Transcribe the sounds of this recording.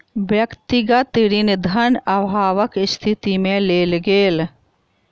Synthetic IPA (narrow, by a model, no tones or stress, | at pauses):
bjɐkt̪iɡat̪ɪɾind̪ʱɐnɐbʱaːʋəkɪst̪ʰɪt̪imẽleːlɡeːl